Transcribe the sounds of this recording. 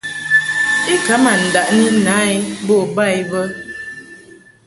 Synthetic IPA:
i˦ka˨˦ma˨n̩˨da˨ʔni˦na˨˦i˦bo˦˨ba˦˨jvə˦

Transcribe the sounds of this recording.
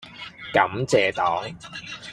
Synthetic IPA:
kɐ˨˥mt͡sɛː˨t̪ɔː˨˥ŋ

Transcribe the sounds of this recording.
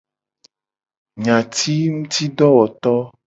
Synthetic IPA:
ɲã˨t̪ʰi˦ŋũ˦t̪i˦ɖɔ˦wɔ˨t̪ɔ˦

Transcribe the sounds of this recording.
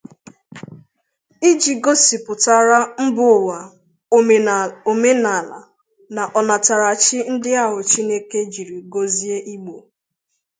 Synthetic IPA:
i˦d͡ʒi˨ɡo˦si˨pʊ˨ta˨ɾa˦m̩˦bʊ˨wa˨ | o˨me˦na˨la̰˨ | na˨ʔɔ˨na˨ta˨ɾa˨t͡ʃɪ˦n̩˦dɪ˦a˦ɦʊ˨t͡ʃi˦ne˦ke˦d͡ʒi˨ɾi˨ɡo˦zi˦e˦ʔi˦ɡ͡bo˨

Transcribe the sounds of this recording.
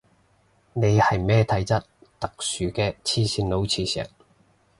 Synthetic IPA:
ne˨˧jhɐ˨jmɛː˥t̪ʰɐ˨˥jt͡sɐ˥t̚t̪ɐ˨k̚syː˨˩kɛː˧t͡sʰiː˥siː˧nlo˨˧˥wt͡sʰiː˧sɛ̰ː˨k̚

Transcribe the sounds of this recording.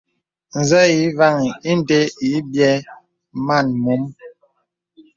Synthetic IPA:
n̩˨zɛ˦ji˨˦va˦˨ŋi˨i˦n̩˨te˦i˨˦bjɛ˦ | ma˦˨nmu˨˦m

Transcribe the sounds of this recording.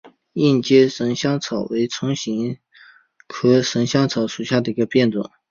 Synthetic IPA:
i˥˩nt͡ɕjɛ˥ʂə˧˥ŋɕjɑ˥ŋt͡sʰɑ˨˩ʊwe˧˥ɪt͡sʰʊ˧˥ŋɕi˧˥ŋ | kʰɤ˥ʂə˧˥ŋɕjɑ˥ŋt͡sʰɑ˨˧˥ʊʂu˨˩ɕja˥˩d̪ə˩i˧˥ɡə˧pjɛ˥˩nt͡swa̰˨˩˦ŋ

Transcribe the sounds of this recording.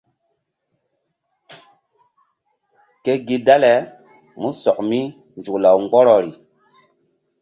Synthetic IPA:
ke˦ɡi˦da˦le˨˦ | mu˦sɔ˨kmi˦ | nd͡ʒu˨kla˨wŋɡ͡bɔ˦ɾɔ˨ɾi˨

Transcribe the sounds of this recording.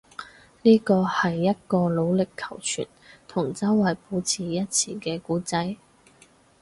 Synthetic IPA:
niː˥kɔː˧hɐ˨jːɐ˥t̚kɔː˧lo˨˧wlɪ˨kʰːɐ˨˩wt͡ʃʰy̰˨˩nt̪ʰʊ˨˩ŋt͡sɐ˥wːɐ˨jpo˨˧˥t͡sʰiː˨jɐ˥t̚t͡sʰiː˨˩kɛː˧kuː˨˥t͡sɐ˨˥j

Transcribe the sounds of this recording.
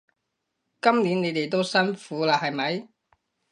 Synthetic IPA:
kɐ˥mniː˨˥nne˨˧jt̪e˨jt̪̬o˥wsɐ˥nfuː˨˥laː˧hɐ˨jmɐ˨˥j

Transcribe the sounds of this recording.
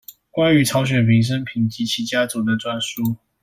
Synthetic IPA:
kwa˥ny˧˥ʈ͡ʂʰɑ˧˥ʊɕ̬ɥɛ˨˩npʰi˧˥ŋʂ̬ə˥npʰi˨˩ŋt͡ɕi˧˥t͡ɕʰi˧˥t͡ɕja˥t͡su˨˩d̪ə˧ʈ͡ʂwa˥˨˩nʂu˥

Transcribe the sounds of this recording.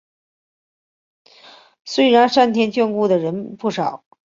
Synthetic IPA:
swe˥ɪɻa˧˥nʂa˥˩nt̪ʰjɛ˧˥nt͡ɕɥɛ˥˧nku˥˩d̪ə˩ɻə˧˥npu˥˩ʂɑ˨˩˦ʊ

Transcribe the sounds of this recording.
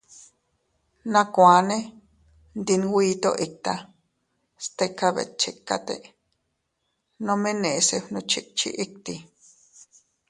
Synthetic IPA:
nã˧kʷa˨ne˦ | nd̪inwiː˦t̪o̰˦ʔi˨k̚t̪a | st̪ekːaβḛ˨t̪̚t͡ʃekːa̰˦t̪ḛ | nõ˦mẽ˦nẽ˨se˧ɸnõ˧t͡ʃi˧k̚t͡ʃḭ˦ʔi˦k̚t̪i

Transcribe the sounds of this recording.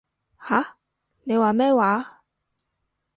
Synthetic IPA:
ha˨˥ | ne˨˧jwaː˨mɛː˥waː˨˥˦

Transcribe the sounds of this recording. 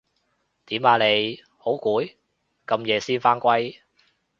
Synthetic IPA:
t̪iː˨˥maː˨˧˩le˨˧j | ho˨˥wkuː˨˥j | kɐ˧mjɛː˨˧siː˥nfaː˥nkʷɐ˥j

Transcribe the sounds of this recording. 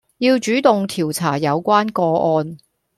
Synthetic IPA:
jiː˧wt͡ʃyː˨˥t̪ʊ˨ŋt̪ʰiː˨˩wt͡sʰaː˨˩jɐ˨˧wkʷwaː˥nkɔː˧ʔɔː˧n

